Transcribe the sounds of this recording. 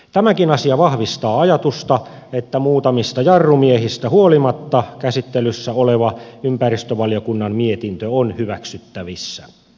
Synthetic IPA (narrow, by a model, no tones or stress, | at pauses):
t̪æmækinɑsiɑʋɑhʋist̪ɑːɑjɑt̪ust̪ɑ | et̪ːæmuːt̪ɑmist̪ɑjɑrːumiehist̪æhuolimɑt̪ːɑkæsit̪ːelysːæoleʋɑympærist̪øʋɑljokunːɑmmiet̪int̪øonhyʋæksyt̪ːæʋisːæ